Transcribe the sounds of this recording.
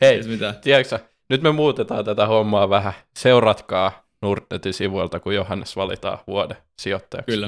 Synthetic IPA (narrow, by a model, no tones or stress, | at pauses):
heimit̪æt̪iæksæ | nyt̪memuːt̪et̪ɑːnt̪æt̪æhomːɑʋæhæseurɑt̪kɑː | nurt̪net̪isiʋult̪ɑkujohɑnːesʋɑlḭt̪ɑ̰ːʋuode | siot̪ːɑjɑ̰kː